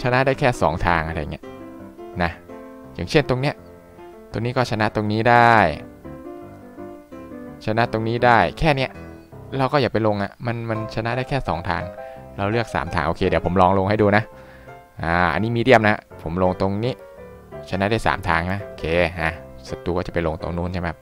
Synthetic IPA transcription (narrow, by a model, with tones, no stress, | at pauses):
t͡ɕʰa˧na˦˥ʔdaː˥˩jkʰɛː˥˩sɔː˩˦ŋt̪ʰaː˧ŋʔa˧ɾa˧ja˨˩ŋːi˦˥na˦˥ | jaː˨˩ŋt͡ɕʰe˥˩nt̪o˧ŋni˦˥ə | t̪o˧ŋniː˦˥kɔː˥˩t͡ɕʰa˧na˦˥t̪o˧ŋniː˦˥daː˥˩j | t͡ɕʰa˧na˦˥ʔt̪o˧ŋniː˦˥daː˥˩jkʰɛː˥˩ni˥ɐ | ɾa˧wkɔː˥˩jaː˨˩pe˧nlo˧ŋa̰˨˩ma˧nma˧nt͡ɕʰa˧na˦˥daː˥˩jkʰɛː˥˩sɔː˩˦ŋt̪ʰa̰ː˧ŋɾa˧wlɯ˥˩ək̚sa̰ː˩˦mt̪ʰa̰ː˧ŋʔoː˧˩kʰeː˧di˩˦pʰo˩˦mlɔː˧ŋlo˧ŋɦa˥˩jduː˧na˦˥ | ʔaː˧˩ʔa̰˧nːiː˦˥miː˧di˧˩əmna˦˥a̰˦˥pʰo˩˦mlo˧ŋt̪o˧ŋniː˦˥ | t͡ɕʰa˧na˦˥ʔdaː˥˩jsa̰ː˩˦mt̪ʰaː˧ŋna˦˥ʔoː˧kʰeː˧ʔa˧˩sa˧t̪uː˧kɔː˥˩t͡ɕa˨˩pa˧jlo˧ŋt̪o̰˧ŋnuː˥˩nt͡ɕʰa˥˩ma˦˥˩p̚